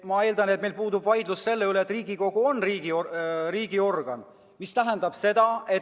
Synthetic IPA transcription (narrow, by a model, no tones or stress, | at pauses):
mɑe̞ːld̪ɑne̞t̪̚me̞jlpuːd̪ubvɑjd̪lusse̞lːeyleːt̪riːɡ̥iko̞ɡ̥uo̞nriːɡioriːɡ̥io̞rɡ̥ɑn | mist̪æɦend̪ɑb̥se̞d̪̥ɑe̞